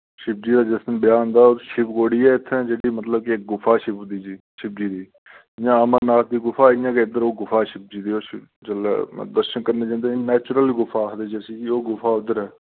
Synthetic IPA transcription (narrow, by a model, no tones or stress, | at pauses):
ʃɪp̚d͡ʒiːd̪aːd͡ʒɪsənbɪjaːɦõnd̪aːoʃɪpɡoːɽiːɛːɪt̪ʰːd͡ʒeːɽiːmət̪ləb̚kik̚ɡʊfʰaːʃɪp̪ːd̪iːd͡ʒiːʃɪp̚d͡ʒiːd̪iː | ɪjãːəmənaːsd̪iːɡʊfʰaːɪjãːkeɪd̪əɾoːɡʊfʰaːʃɪp̚d͡ʒiːd̪iːoːʃɪ | t͡ʃəl̰ːd̪əɾʃənkəɾneːd͡ʒãːnd̪eːinɛːt͡ʃɾəliɡʊfʰaːɦd̪eːd͡ʒɛsiːkioːɡʊfʰaːʊd̪əɾɦɛː